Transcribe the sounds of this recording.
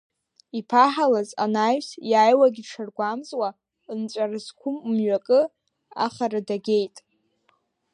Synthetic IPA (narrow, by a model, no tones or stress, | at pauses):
ipʰaħalaza̰naɥsjaːjwaɡʲiʂʰarɡʷamzwa | nt͡ʃʷʼarɨskʷʰʊmmɥakʼɨ | a̰χaɾadaɡʲe̞jtʼ